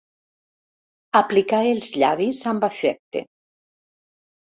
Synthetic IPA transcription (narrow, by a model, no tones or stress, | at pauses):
aplikaelˠzʎaβizambafɛk̚t̪ḛ